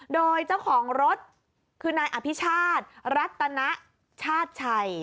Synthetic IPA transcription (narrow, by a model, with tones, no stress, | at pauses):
doː˧jt͡ɕa˥˩wkʰɔː˩˦ŋɾo˦˥t̪̚ | kʰɯː˧naː˧jʔa˨˧˩pʰi˦˥t͡ɕʰaː˥˩t̪̚ɾa˦˥t̪ːa˧na˦˥ʔ | t͡ɕʰaː˥˩t̪̚t͡ɕʰa˧j